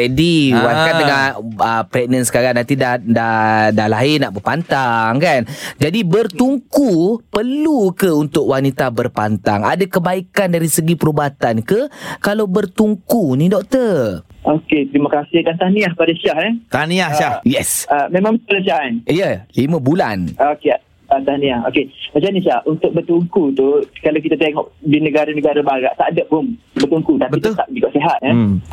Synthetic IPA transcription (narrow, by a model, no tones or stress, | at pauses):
ɛdiwakadəŋaəpɾɛɡ̚nənsə̥kaɾaŋnant̪idadadahlaɦɪnaʔbəpant̪aŋkand͡ʒadibərt̪uŋkupərlukəunt̪ʊk̚wanit̪abərpant̪a̰ŋa̰dakəbaikandaɾisəɡipəɾubat̪ankəkalawbərt̪uŋkunĩdɔk̚t̪əʔoket̪ɾimokɾasidant̪aniahpadaʃahɛt̪aniahʃahjɛsamẽmãŋələʃaɦaniəlimə̃bula̰nokea | ant̪anĩaho̰keət͡ʃaniʃahunt̪ʊk̚bərt̪uŋkut̪ukalawk̬it̪at̪eŋɔʔdinəɡaɾanəɡaɾabaɾaʔt̪aʔdəʔ̚ʊmbərt̪uŋkut̪abəit̪ʊlt̪aʔd͡ʒikaʔseɦat̪̚ɛ